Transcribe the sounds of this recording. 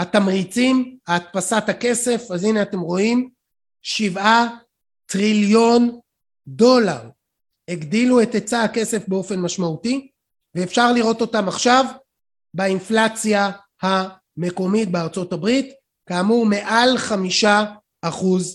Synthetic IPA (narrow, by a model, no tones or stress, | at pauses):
hatamʁit͡simaːt̪̚pasathake̞se̞fazineate̞mʁo̞im | ʃiva | tʁiljo̞n | do̞laʁ | heɡdilue̞tet͡saake̞se̞fbe̞o̞fe̞nmaʃmauti | veːfʃaʁliʁo̞to̞tamaχʃav | bainflat͡sja | ha | me̞ko̞mit̚beaʁt͡so̞tabʁit | kaːmuʁme̞ʔalχamiʃaː | χuz